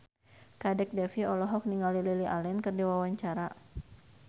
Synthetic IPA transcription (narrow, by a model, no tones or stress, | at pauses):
kadɛk̚dɛfiɔlɔɦɔk̚niŋɡalililiʔalɛnkɨrdiwawaɲt͡ʃaɾa